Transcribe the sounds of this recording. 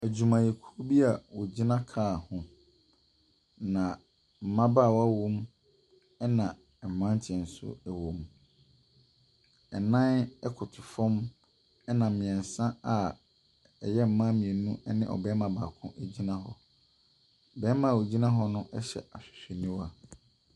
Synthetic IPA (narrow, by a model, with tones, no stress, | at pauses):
æ˨d͡ʑu˨mã˨je˨kʰu˦o˦bi˦a˨wo˨d͡ʑi˦nã˦kʰaː˦˨hʊ̃˨ | nã˨ | m̩˨mã˦ba˦˨wɔ˦a˦wo˦m | ɛ˦nã˨ | m̩˨mːã˦n˦t͡ɕʰɪ˨ɛ̃˨n̩˨sʊ̰˦ɛ˨wõ˨m | ɛ˨nã˦nɛ˦kʰʊ˨tʰʊ˨fɔ̃˦m | ɛ˦nã˨m̩˨mɪ̃˨ɛ̃˨n˨sã˦a˨ | ɛ˨jɛ˦m̩˨mã˦mĩ˨e˨nũ˦nɪ̃˦ʔɔ̰˨bɛ˦mã˨ba˨kʰʊ̃˦ʔe˨d͡ʑi˦nã˦ɦɔ˨ | bɛ˦mã˦˨wo˨d͡ʑi˦nã˦ɦɔ˦nʊ̃˦ʔɛ˦ɕɛ̰˨a˨ɕᶣɪ̥˨ɕᶣe˨nĩ˦wa˦